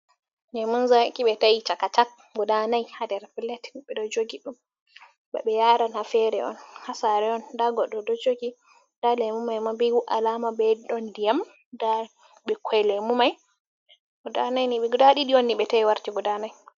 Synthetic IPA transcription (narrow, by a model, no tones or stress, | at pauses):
d͡ʒɛmunzakiɓɛtajit͡ʃakat͡ʃak̚ | ɡɔdanajhadɛɾpiletɓɛdɔd͡ʒoɡiɗum | bɛ̰ɓɛjaːɾanhafɛɾɛɔ̰nhasaɾɛɔndaɡɔɗɔdɔd͡ʒoɡi | d̥alɛmumajmabiwuʔa̰lamabɛɗɔndijam | da | ɓɛkʰɔjlemumaj | ɡɔdanajniɓɛɡdaɗiɗiɔnːiɓɛtajwaɾtiɡɔdanaj